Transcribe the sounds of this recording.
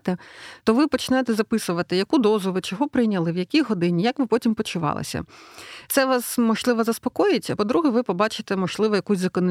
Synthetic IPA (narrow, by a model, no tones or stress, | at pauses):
t̪ɛt̪ɔʋɪpɔt͡ʃɪnɛjt̪ɛzɐpɪsʊʋɐt̪ɪjɐkud̪ɔzʊʋɪt͡ʃɔɦɔpɾɪjnʲɐlˠɪwjɐkʲijɦɔd̪ɪnʲijɐkʋɪpɔtʲimpɔt͡ʃʊʋɑ̰lˠɪ̰sʲɐ̰t̪sɛʋɑsmɔʒlˠɪʋɐzɐspɔkɔjɪtʲɐpɔd̪ɾuɦɛʋɪpɔbɑt͡ʃɪt̪ɛmɔʒlˠɪʋɔjɐkusʲzɐkɔnɔ